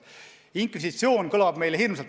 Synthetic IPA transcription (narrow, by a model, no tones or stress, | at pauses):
iŋkvisit̪sio̞ːnkɤlɑb̥me̞jlehirmselt̪